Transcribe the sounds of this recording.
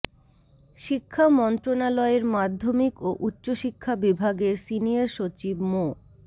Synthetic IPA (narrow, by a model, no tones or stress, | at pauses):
ʃikʰːamɔnt̪ɾonalɔeɾmad̪ʱːomikoʔutːɕoʃikʰːabibʱaɡeɾsiniaɾʃot͡ɕibmo